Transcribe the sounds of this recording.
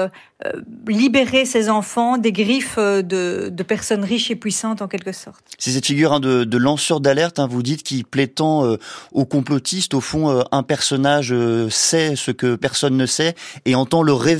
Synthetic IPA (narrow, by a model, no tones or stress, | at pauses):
ø̰libeʁesezɑ̃fɑ̃d̪eɡʁifød̪əd̪əpɛʁsɔnʁiʃepɥisɑ̃t̪ɑ̃kʲɛlkəsɔʁt̪sɛsɛt̪fiɡʲyʁɛ̃d̪əd̪əlɑ̃sœʁd̪alɛʁt̪ɛ̃vud̪it̪kʲiplɛt̪ɑ̃øokɔ̃plɔt̪ist̪ofɔ̃øɛ̃pɛʁsɔnaʒøsɛsəkəpɛʁsɔnːəsɛeɑ̃t̪ɑ̃ləʁe